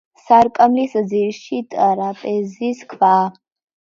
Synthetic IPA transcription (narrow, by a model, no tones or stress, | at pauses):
saɾkʼɐmlisɨd͡ziɾʃitʼaɾapʼeziskʷʰfa